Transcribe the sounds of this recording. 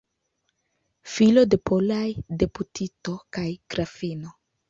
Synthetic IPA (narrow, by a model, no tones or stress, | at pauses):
filo̞de̞pʰolajde̞putʰito̞kajkɾafino